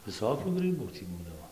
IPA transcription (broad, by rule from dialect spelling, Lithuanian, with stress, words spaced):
ʋʲɪˈsoːkʲuː ˈɡrɨbuː tʲiː ˈbuːdɐʋoː